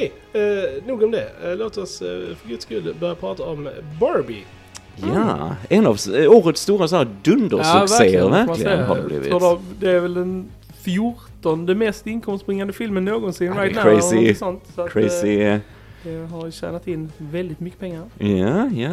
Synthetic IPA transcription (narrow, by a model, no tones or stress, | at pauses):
kɛ | nuːɡɔmd̪ɛloːt̪ɔsfœɾɡɵd̪skʉlːbœɾjapʰɾɑːt̪aɔmbɑːɾbɪ̰ | jaɛnavsuːɾət̪st̪uːɾasɔnæɾd̪ɵnd̪əɾsɵsvæɾeːə̰ɾvæɾklɪ̰ɡnha̰dɛ̰blḭːvsɪ̰ɔd̪ɛd̪ɛæɾvɛld̪ɛn | fjʊɾt̪ɔnd̪əmɛst̪ɪnkʰɔmst̪b̥ɾɪŋːand̪əfɪlmənːoːɡɔnsɪnːɾajt̪naɛɪsɔnt̪sɔakʰɾɛɪsɪ | d̪̥ɛɦaɾɕæ̰ːnat̪ɪnːvɛld̪ɪt̪mʏkːə̥pʰɛŋːaɾjaja